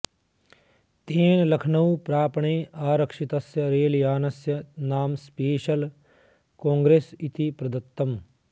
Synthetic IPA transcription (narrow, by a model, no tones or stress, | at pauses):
t̪eːnlɐkʰnɐwpɾaːpɳeːʔaːɾɐkʂit̪ɐsjɐɾeːljaːnɐsjɐnaːmspeːʃɐl | kõːŋɡɾeːsit̪ipɾɐd̪ɐt̪ːɐm